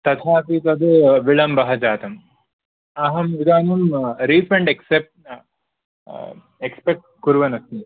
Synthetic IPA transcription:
t̪ɐt̪ʰaːpit̪ɐd̪ɐʋiɭɐmbɐɦɐd͡ʒaːt̪ɐm | ɐɦɐmʋid̪aːnɐmɾiːfʰɾɐɳɖeksep̚ʈ | ekspek̚ʈ̚kuɾʋɐnɐst̪i

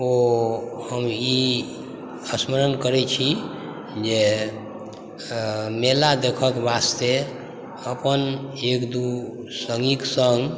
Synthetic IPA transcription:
ohəmi | əsməɾənkəɾɛt͡ʃʰi | d͡ʒe | melad̪ekʰəkbast̪e | əpənekd̪u | səŋɡiksəŋɡ

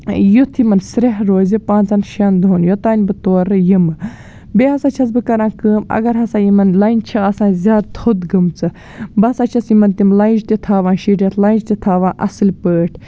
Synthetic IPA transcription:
jut̪ʰimɐnsɾeɦɾoːzipãːnt͡sɐnʃɐnd̪oːnjot̪aːnʲbɨt̪oːɾɨjimɨ | beɐsaːt͡ʃʰɐt͡s̬bɨkɐɾãːkəːmɐ̰ɡɐɾɦɐsaːjimɐnlaːjnt͡ʃʰɐɐsãːnzʲaːd̪̚t̪ʰod̪ɡɨmt͡sɨ | bɐsat͡ʃʰɐsimɐnt̪imlaːjnd͡ʒt̪it̪ʰaːʋaːnʃiʈʲɐt̪ʰlaːnd͡ʒt̪it̪ʰaːʋãːnʔɐsɨlʲpəːʈʰ

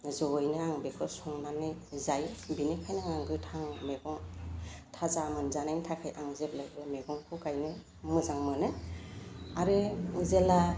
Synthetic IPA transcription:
zɔjnɯaŋbekʰɯsɔŋnanːɯzajbinekʰajnɯŋaŋɡɯtʰaŋmeɡɔŋtʰazamɯnzanajŋtʰakʰajʔaŋzep̚lajbɯmeɡɔŋkʰɔkajnɯ | mɯzaŋmɯnɯ | aɾezela

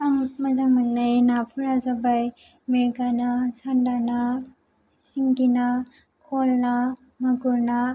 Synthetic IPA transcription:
aŋmɐzaŋmanːajnapʰuɾazabaj | meɾɡanasandana | siŋɡina | kʰɔlna | mɐɡuɾna

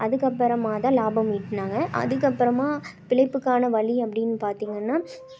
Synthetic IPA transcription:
ɐðɯkːɐpːɐɾɐmaːt̪ãːlaːbɐmiːʈːnaːŋɡɐʔɐ̰ðɯkːɐpːɪɾɐmaːpɪɭɐɪpːɯkːaːnɐʋɐɭiɐpːɐɽɪnːɯpaːɾt̪iːŋɡɐnːaː

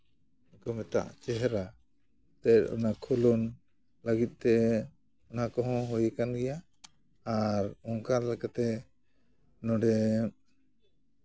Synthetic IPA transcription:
kɔmɛt̪a̰ʔt͡ʃɛɦɛɾa | t̪ɛɾ̚ɔ̰nakʰulɔn | ləɡit̪̚ˀt̪ɛ | ɔnakɔɦɔ̃ɦujkanɡɛjaː | ɾɔŋkaɾlɛkat̪ɛ | nɔɖɛ

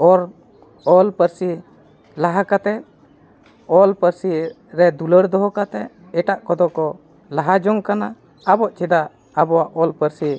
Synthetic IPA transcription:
ɔɾ | ɔlpəɾsi | laɦakat̪ɛʔ | ɔlpəɾsi | ɾɛd̪uləɽd̪ɔɦɔkat̪ɛʔ | ɛʈaʔkɔd̪ɔkɔ | laɦad͡ʒɔŋkanaː | bɔʔt͡ʃʰid̪aʔː | bɔwaʔɔlpəɾsi

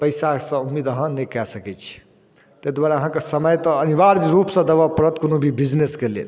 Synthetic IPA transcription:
pəɪsasə̃umːed̪əɦãnekɛsəkɛt͡ʃʰi̥ | t̪ed̪ʋaɾaəɦãkesəməjt̪əːnibaɾd͡ʒɾupsə̃d̪əbapɾət̪konobʱibid͡ʒneskelḛl

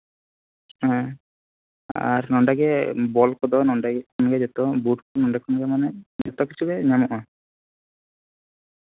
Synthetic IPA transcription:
ɦɛ̃ | a̰ɾnɔɳɖaɡɛbɔlkɔd̪ɔnɔɳɖaɡɛkʰɔnɡɛd͡ʒɛt̪ɔbuʈkɔnɔɳɖakʰɔnɡamanɛd͡ʒɛt̪ɔkit͡ʃʰubɛɲamɔʔɔ

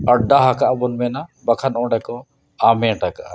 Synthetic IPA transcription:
ɐɖaɦakaʔbɔnmɛnabɐkʰanɔ̃ɖakɔ | amɛʈakaʔ

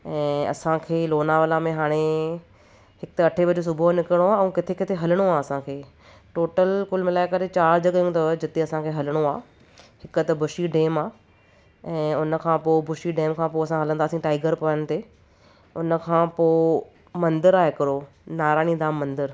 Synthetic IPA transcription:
ɛ̃ːɐ̰sãkʰeːloːnaʋɐlamẽɦaːɽ̃e | hɪkt̪ɐʈʰeʋɐd͡ʑos̬ʊbʱonɪkəɽ̃oaːɛ̃ːkɪt̪ʰekɪt̪ʰeɦɐləɽ̃oaːɐsãkʰeː | ʈoːʈəlkʊlmɪlaːɪkɐɾet͡ɕaːɾd͡ʑɐɠəjũt̪ɐd͡ʑɪt̪ẽɐsãkʰeːɦɐləɽ̃oaː | hɪkət̪ɐbʱʊʃiɖeːmaː | ɛ̃ːʊnə̆kʰãːpoːbʊʃiɖeːmkʰãːpoɐsãɦɐlə̃nd̪aːsĩʈaːɪɡəɾpɐəñɪ̆t̪ʰeː | ʊnəkʰãːpoː | mɐ̃nd̪əɾaːɦɪkɐɾoː | naːɾaːñĩd̪aːmːɐ̃nd̪əɾ

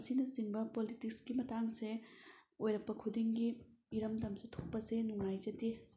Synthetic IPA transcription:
sinɐsiŋbɐpolitik̚skimɐtaŋseojɾɐk̚pɐkʰudiŋɡiiɾɐmdɐmsetʰok̚pɐsenuŋajzɐte

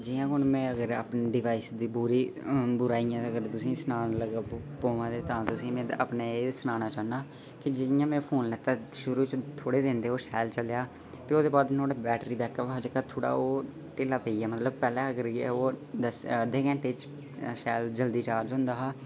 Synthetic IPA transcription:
d͡ʒɪjãːkʊnmɛ̃ːəɡəɾəːpniɖɪʋaːisd̪iːbuːɾiːbʊɾaːijãːəɡəɾt̪ʊsĩːsənaːnləɡapoːʋãːd̪eːt̪ãːt̪ʊsĩːmɛ̃ːə̰pneːeːsənaːnaːt͡ʃaːnaː | kɪd͡ʒɪjãːmɛ̃ːpʰoːnlɛːt̪ãːʃʊɾuːt͡ʃt̪ʰoːɽeːd̪ẽːnd̪eːoːʃɛːlt͡ʃəljaː | t̪eːoːd̪eːbaːd̪noːʈbɛːʈɾiːbɛːkəpɦaːd͡ʒəkːaːt̪ʰoːɽa̰ːoː | ʈeːlaːpəiːɛːmət̪ləb̚pɛːlɛ̃ːəɡəɾɛ̰oːd̪əsd̪eːkɛ̃ːʈeːt͡ʃ | ʃɛːld͡ʒəld̪iːt͡ʃaːɾd͡ʒɦʊ̃nd̪aːɦaː

